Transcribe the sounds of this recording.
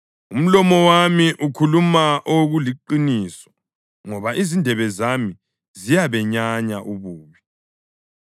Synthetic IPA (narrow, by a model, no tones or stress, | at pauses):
um̩lɔmɔwamiʔukʰulumaʔoɣuliǃiniːsɔ̥ | ŋɔβaʔizindʱɛβɛzami | zijaβɛɲaɲaʔuβuːβi